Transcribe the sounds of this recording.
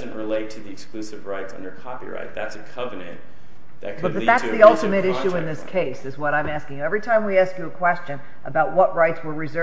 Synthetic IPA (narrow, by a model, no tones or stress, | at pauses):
zɨ̃n̩ʔɹɨleɪtʰɨðiɨksklʉsɨvɹaɪtsʌ̰̃ndə˞kʰɑpḭɹa̰ɪt̪̚ðætsɨkʰʌvɨnɨ̰̃n | ðɨ̰bʌt̪̚ʌðætsðiʌlˠtɨmɨɾɪʃʉɨ̃nðɪskʰeɪsɨzwʌɾãɪ̃mæskɪ̃ŋjʉɛvɹitʰãɪ̃mwiæskjɨːkʰw̥ɛst͡ʃɨ̃n | ʔəbaʊt̚wʌʔ̚ɹaɪtswə˞ɹɨzɜ